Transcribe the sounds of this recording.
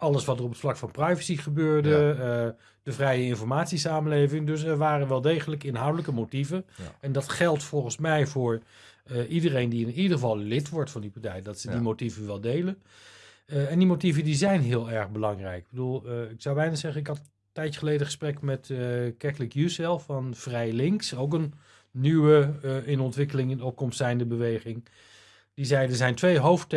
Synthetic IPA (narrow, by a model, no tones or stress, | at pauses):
ɑləsʋɑtərɔpətflɑkfɑnprɑjvəsiχəbøːɹdə | d̥əvrɛjəɪnfɔɹmaːtsisaːmənlejvɪŋdɵs̬ɛɹʋaːrənʋɛlˠdejχələkɪnɦawdələkəmotivəɛndɑtχɛlˠtfɔlˠχənsmɛjvʊːɹʔidərejndiɪnidəχəvɑlˠlɪtʋɔɹtfɑndipaɹtɛjdɑtsədimotivəʋɛlˠdejlən | ɛndimotivəndizɛjnɦɪːlˠɛɹχbəlɑŋrɛjk̚bəduːlˠɪksɑwbɛjnazɛχənɪkɦɑt | tːɛjəχəlejdəχə̥sprɛkmɛtkɛklɪkjusɛlˠfɑnv̥rɛjlɪŋksowk̬ənː | ywəɪnɔntʋɪkəlɪŋɪndəɔp̚kɔmstɛjndəbəʋejχɪŋ | d̥izɛjdəɹzɛjntʋejɦowft